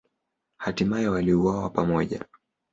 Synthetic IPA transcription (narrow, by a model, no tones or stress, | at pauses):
hatimajɛwaliuwawapamɔʄa̰